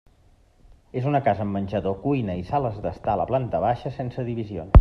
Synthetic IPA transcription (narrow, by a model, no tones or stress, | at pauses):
ezunəkazəmːənʲʒəðokujnəisaləzðəst̪aləplant̪əβaʃəsensəðiβizio̰ns